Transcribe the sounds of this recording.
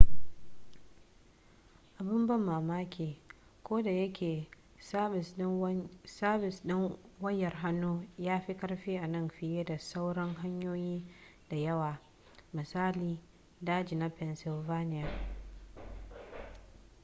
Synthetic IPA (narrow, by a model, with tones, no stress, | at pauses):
ʔa˨bɪ˦mbɐ˦mːaː˨maː˦kʲʰeː˨ | kʷoː˦da˨jɐ˦kʲeː˨˦ | sa˦bɪ˨sɗɪ˦ŋwɐ˦jːɛ˨rɦa˦nːoː˦jaː˦ɸi˦kɐ˦rɸiː˦ʔa˨nɐ˦˨mɸɪ˨jeː˦da˨sa˦wɽɐ˦ŋɦa˦ɲjoː˦jiː˦ | da˨jɐ˦waː˨ | mɪ˨saː˦liː˨ | daː˦d͡ʒiː˨na˦pɛ˨nsɪ˨lvaː˦nɪ˦ja˨